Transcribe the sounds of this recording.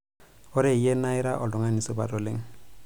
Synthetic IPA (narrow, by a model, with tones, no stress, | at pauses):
ʊ˦ɾe˨jɛ˦na˦ɪ˦ɾa˦ʔɔ˨lʊ˨ŋa˦ni˨sɔ˦ba̰˨tɔ˨le˦ŋ̩˦